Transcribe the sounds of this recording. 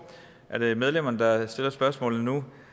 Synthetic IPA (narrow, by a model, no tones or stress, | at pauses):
ʔæɐɾ̥e̝með̞ˠlem̰ɐnəd̥ɑ̈sd̥e̝l̰ɐsb̥ɶɐsmɔ̰̽ːlð̩ˠnu